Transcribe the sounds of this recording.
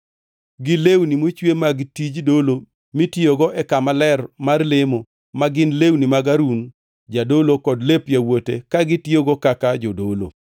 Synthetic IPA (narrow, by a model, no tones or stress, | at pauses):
ɡɪlewnimot͡ʃwemaɡtid͡ʒdolo | mitɪoɡɔʔɛkamalɛrmarlemo | maɡɪnlewnimaɡaɾun | d͡ʒadolokɔdlepjawotekaɡɪtjoɡɔkakad͡ʒodolo̰